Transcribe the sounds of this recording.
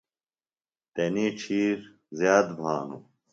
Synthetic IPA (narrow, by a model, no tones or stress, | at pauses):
t̪eniːʈ͡ʂʰiːɾ | zjaːd̪bʱaːnṵ